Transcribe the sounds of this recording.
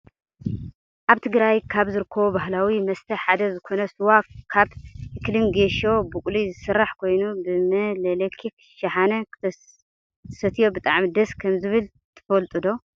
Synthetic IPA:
ʔaβt̪ʰɨɡɾajkʰaβzɨɾɨkʰːɐβobaɦlawimɐst̪ʰɐħad̪ɐzɨkʰo̞nɐsɨwakkʰaβɨklimɡeʃo̞bɨkʼlizɨsɨrːaħkʰo̞jnubɨmɐlɐlekʰːik | ʃɐħanɐk̪ʰ | sɐt̪ʰijo̞bɨt̪ʼaʕmid̪ɐskʰɐmzɨβɨl | t̪ʰɨ̥fɐlt̪ʼɨd̪o̞

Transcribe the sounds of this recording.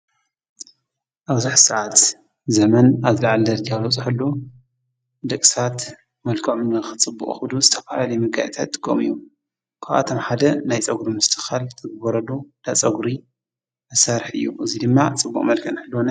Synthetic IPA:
ʔaβzɨħsaʕat̪ | zɐmɐnazlaʕald̪ɐɾd͡ʒalot͡sʼɨħɨlːu | d̪ɐkʼsat̪ | mɐlkʰomɨnɨxɨt͡sʼɨbːṵkʼxɨd̪uzɨt̪ʰɐfalalɐjmɨɡa̰jt̪ʰat̪ːɨ̥ɡʼo̰mɨ̰jːu | kʰaʔa̰t̪ʰomħad̪ɐnajt͡sʼɐɡɾimɨst̪ʰɨxalt̪ʰɨɡɨbɐɾɐlud̪at͡sʼɐɡɾi | mɐsaɾħɨ̰jːuʔɨzid̪ɨmːat͡sʼɨbːṵχʼmɐlkʰɐnħɨlːwonɐ

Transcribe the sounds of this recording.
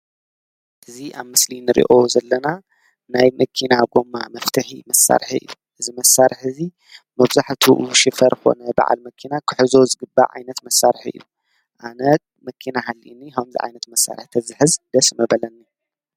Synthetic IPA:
ʔɨziʔaβmɨslinɨɾḭʔozɐlːɐna | najmɐkʰinaɡo̞mːa̰mɐft̪ʰɨħimɐsa̰ɾħiɨ̰jːuʔɨzimɐsːaɾħɨzi | mɐβzaħt̪ʰuʔʃɨfɐɾxo̞̰nɐba̰ʕa̰lmɐkʰinakʰɨ̥ħɨzozɨɡɨbːa̰ʕa̰jnɐt̪mɐsːaɾħiɨ̰jːu | ʔanɐ | mɐkʰinaɦalːiʔinːihɐmzḭʕa̰jnɐt̪mɐsːa̰ɾħt̪ʰɐzɨħɨzd̪ɐsmɐbɐlɐnːi

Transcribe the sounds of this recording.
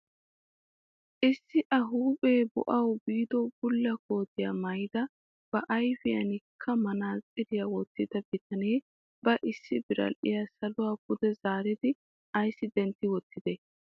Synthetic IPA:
ʔɪsːɪʔɐɦuːpʼeːbʊ̰ʔɐwbiːd̪ɔwb̥ʊlːɐko̞ːt̪ɪjaːmɐjd̪ɐ | b̥ɐʔɐjfɪjɐ̰nɪkʰːɐmɐnaːt͡sʼɪd̪ɪjawɔt̪ːɪd̪ɐb̥ɪt̪ʰɐneː | b̥ɐʔɪsːɪbɪɾɐ̰lʔɪ̰jasɐlʊwaːbʊd̪ɛzaːɾɪd̪ɪ | ʔɐjsːɪd̪ɛnt̪ːɪwɔt̪ːɪd̪e

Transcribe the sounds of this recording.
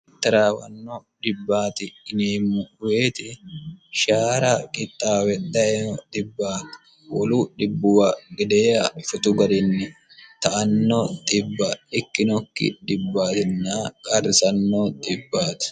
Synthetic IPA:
t̪ːɐɾaːwɐnːɔᶑɪbːaːt̪ɪːneːmːʊʊweːt̪ɪʃaːɾakʼɪt̪ʼːaːwɛd̪ɐʔɛnɔd̪ɪbːaːt̪ | wɔluːᶑɪbːʊwaɡɪd̪ɛjɐfʊt̪ʊɡɐd̪ɪnːɪ | t̪ɐʔɐnːɔt̪ʼɪbːɐɪkːɪnɔkːɪ̰ᶑɪbːaːt̪ɪnːaːkʼɐrːɪsɐnːɔt̪ʼɪbːaːt̪ɪ̥

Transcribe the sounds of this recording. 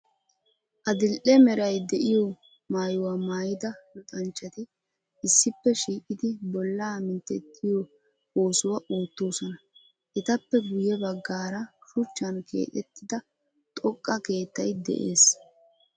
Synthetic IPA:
ʔɐd̪ɪlʔɛmɛɾɐjd̪ɛʔɪjɔ | maːjʊwamaːjɪd̪ɐlʊt̪ʼɐnt͡ʃːɐt̪ɪ | ɪsːɪpːɛʃiːkʼɪd̪ɪbɔlːaːmɪnt̪ːɛt̪ʰːɪjɔ | oːsʊwɐʔoːt̪ːo̞ːsɔnɐ | ʔɛt̪ɐpːɛɡʊjɛbɐɡːaːɾɐʃʊt͡ʃːɐnkʰḛːt̪ʼɛt̪ːɪd̪ɐ | t̪ʼɔkʼːɐke̞ːt̪ːɐjd̪ɛ̰ʔeːs

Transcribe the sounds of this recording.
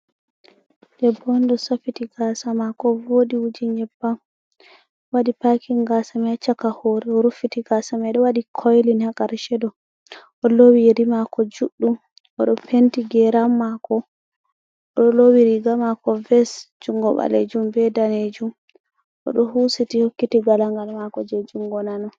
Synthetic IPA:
dɛbɔndɔsafitiɡasamakɔvodiwud͡ʒiɲɛbːam | wadipakʰiŋɡasamɛt͡ʃakahoɾɛɔɾufitiɡasamɛɗɔwaɗikʰɔjlinhakaɾʃɛdɔ | ʔɔlowiɾimakɔd͡ʒuɗːum | ʔɔɗɔpʰentiɡɛɾamːakɔ | ɔɗɔlowiɾiɡamakɔvɛsd͡ʒuŋɡɔɓa̰lḛd͡ʒumbɛdaned͡ʒum | ʔɔ̰ɗɔhusitihokːitiɡalaŋɡalmakɔd͡ʒɛd͡ʒuŋɡɔnanɔ

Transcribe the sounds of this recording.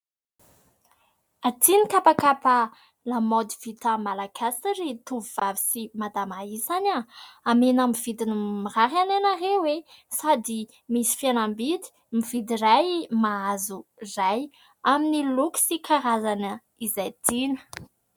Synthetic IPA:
at̪inikapakapa | lamod̪iv̥it̪amalaɡasiɾit̪uvivavisimad̪amaisanaamenamiv̥id̪inimiraɦanenarewesad̪i | misi̥fianambid̪i̥ | mivid̪irajmaazuzaj | aminiluki̥sikʰaɾazanə | izajt̪inə̥

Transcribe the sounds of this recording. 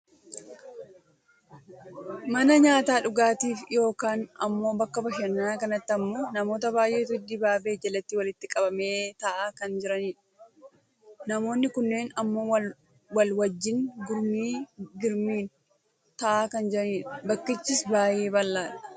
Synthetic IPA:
mɐnɐɲaːt̪aːᶑʊɡaːt̪iːfjo̞ːkaːnɐ̰mːo̞ːbɐkːɐbɐʃɐnːaːkɐnɐt̪ːɪɐmːo̞ːnɐmo̞ːt̪̬ɐbaːjʔe̞ːt̪ʊd̪ɪbaːbe̞ːd͡ʒɛlɐt̪ːɪːwɐlɪt̪ːɪkʼɐbɐme̞ːt̪ɐʔaːkɐnd͡ʒɪɾɐniːᶑɐ̥ | nɐmo̞ːnːɪkʊnːe̞ːnɐmːo̞ːwɐ | wɐlwɐd͡ʒːɪnɡʊɾmiːɡɪɾmiːn | t̪ɐʔaːkɐnd͡ʒɪɾɐniːᶑɐ̥bɐkːɪt͡ʃːɪsbaːje̞ːbɐlːaːᶑɐ̥

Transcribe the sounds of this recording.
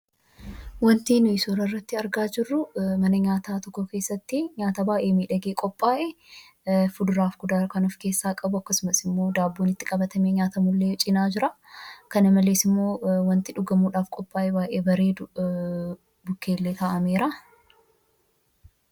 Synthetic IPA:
wɐnt̪iːnʊɪsoːɾɐrːɐt̪ːɪɐɾɡaːd͡ʒɪrːʊmɐnɐɲaːt̪aːt̪ɔkːɔke̞ːsːɐt̪ːɪɲaːt̪aːbaːʔe̞ːmiːᶑɐɡeːkʼɔpʼːaːʔɛ | fʊd̪ʊɾaːfɡ̥ʊd̪aːkɐnɔfke̞ːsːaːkʼɐbʊɐkːɐsʊmɐsɪmːo̞ːd̪aːbːoːnɪt̪ːɪkʼɐbɐt̪ɐme̞ːɲaːt̪ɐmʊlːet͡ʃʼɪnaːd͡ʒɪɾɐ | kɐnɐmɐleːsɪmːo̞ːwɐnt̪ɪᶑʊɡɐmuːᶑaːfkʼɔpʼːaːʔɛbaːʔe̞ːbɐɾe̞ː | bʊkʰːeːlːeːt̪ɐʔɐme̞ːɾɐ

